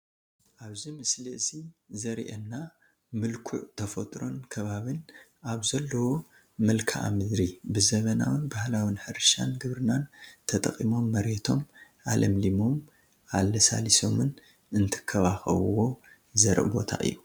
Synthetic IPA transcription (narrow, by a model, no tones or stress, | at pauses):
ʔaβzimɨslɨʔsizɐɾʔɐnːa | mɨlkʰṵʕt̪ʰɐfɐt̪ʼɾo̞nkʰɐβaβɨnaβzɐlːɐwo | mɨlkʰa̰ʔa̰mɨd̪ɾibɨzɐβɐna̰wɨnbahlawinħɨɾʃa̰nɡɨβɾɨnant̪ʰɐt̪ʼɐkʼimo̞mːɐɾet̪ʰo̞m | ʔalʔɐmlimo̞m | ʔalːɐsa̰liso̞mɨn | ɨnt̪ʰɨ̥kʰːɐβaxɐ̰βuwo̞ | zɐɾ̰ʔbo̞̰t̪ʰa̰ʔɨ̰jːu